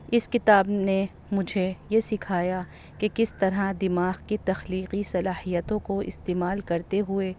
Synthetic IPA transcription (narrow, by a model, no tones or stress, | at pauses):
ɪskɪt̪aːbne | mʊd͡ʒʱejesɪkʰaːja | kekɪst̪ɐɾad̪ɪmaːɣkit̪ɐxliːqisɐlaːhijət̪õkoɪ̰st̪eːmaːlkɐɾt̪eɦʊe